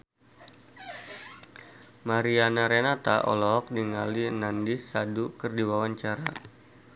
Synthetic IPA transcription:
maɾianaɾenat̪aʔɔ̰lɔk̚diŋalinandisːadukərdiwawaɲt͡ʃaɾa

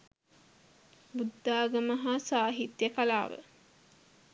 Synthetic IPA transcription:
bud̪ːaːɡəməɦasaːɦit̪jəkala̰ːʋə̰

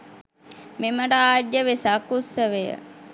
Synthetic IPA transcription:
meməɾaaːd͡ʒjəʋesakːusːəʋejə̰

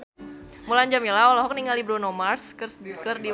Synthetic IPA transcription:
mulaɲd͡ʒamilaɔlɔɦɔk̚niŋalibɾonomarskərskərdi

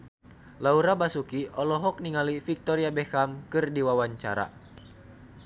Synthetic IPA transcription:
lauɾabasukiʔɔlɔɦɔk̚niŋalifik̚t̪ɔɾiabɛkamkɨrdiwawaɲt͡ʃa̰ɾa̰

